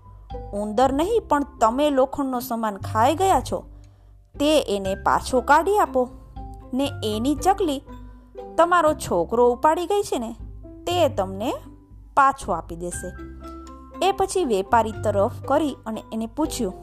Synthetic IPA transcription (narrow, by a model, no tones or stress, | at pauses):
ũnd̪əɾnəɦĩpəɳt̪əmelokʰəɳːosəmankʰajɡəjat͡ʃʰo̰ | t̪eʔenepa̰t͡ʃʰokaɽiaponeenid͡ʒəɡli | t̪əmaɾot͡ʃʰokɾoupaɽiɡəjt͡ʃʰene | t̪et̪əmne | pat͡ʃʰoapid̪eʃe | epət͡ʃʰiʋepaɾit̪əɾəfkəɾiəneeneput͡ʃʰjũ